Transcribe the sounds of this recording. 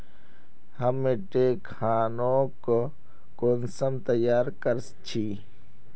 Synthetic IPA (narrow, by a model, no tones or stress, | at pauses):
həmːeʈeːkʰaːnok | konsəmt̪əjaːɾkəɾst͡ʃʰi